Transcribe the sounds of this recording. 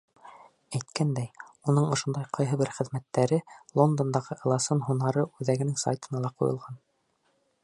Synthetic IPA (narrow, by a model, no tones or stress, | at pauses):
æjt̪kænd̪æjunɤɴŏʃŏnd̪ɑjqɑjɦɤbɘɾχɘ̆ðmæt̪ːæɾɘlˠo̞nd̪ond̪ɑʁɤʔɤ̆lˠɑsɤnɦunɑɾɤʔʉðæɡɘ̆nɘŋsa̰jt̪ɤ̆nɑlˠɑqṵjɤ̰̆lˠʁɑn